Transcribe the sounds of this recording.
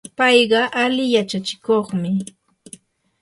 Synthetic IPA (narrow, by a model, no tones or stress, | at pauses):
pɑjɢɑʔalɪjat͡ʃat͡ʃɪ̥koχmɪ